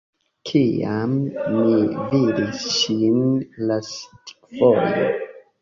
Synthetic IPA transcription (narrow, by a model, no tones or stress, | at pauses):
kʰiamːividisʃinlastkvojo̰